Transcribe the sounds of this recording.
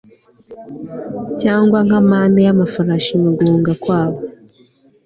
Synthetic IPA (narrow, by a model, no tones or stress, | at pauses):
caːŋɡwaŋ̥amaːnejamafaɾaʃimuɡuːŋɡakwaːβo